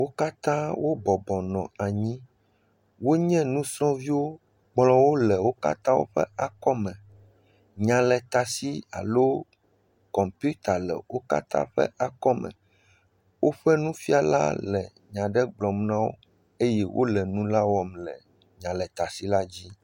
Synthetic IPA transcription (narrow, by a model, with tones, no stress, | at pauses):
wo˦ka˦t̪ã˦wo˦bɔ˨bɔ˨nɔ̃˨a˨ɲĩ˦ | wo˦ɲɛ̃˦nũ˦sɾɔ̃˦vi˦wo˦ | ɡ͡blɔ̃˨wo˦lɛ˨wo˦ka̰˦t̪ã˦wo̰˦ɸɛ̰˦a˨kɔ˦mɛ̃˨ | ɲã˨lɛ˨t̪a˨si˦a̰˨lo˦ | kɔ˨mpu˦t̪a˨lɛ̰˨wo˦ka̰˦t̪ã̰˦ɸɛ̰˦ʔa˨kɔ˦mɛ̰̃˨ | wo˦ɸɛ˦nũ˦fi˦a˨la̰˦lɛ˨ | ɲã˨ɖɛ˦ɡ͡blɔ˨mnã˦wo̰˦ | e˦jɛ˦wʔo̰˦lɛ˨nũ˦la˦wɔ˦mlɛ˨ | ɲã˨lɛ˨t̪a˨si˦la˦d͡ʑi˦